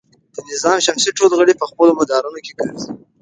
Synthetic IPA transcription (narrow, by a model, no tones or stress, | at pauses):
d̪̥ənɪzɑmʃamsiʈolɣəɽipəxpəlomad̪ɑɾunokekəɽizi